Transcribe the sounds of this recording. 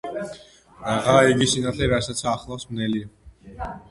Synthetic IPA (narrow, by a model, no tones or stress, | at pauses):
aʁaiɡisinat̪ʰɛɾasat̪sʰaːχlˠasmnɛlia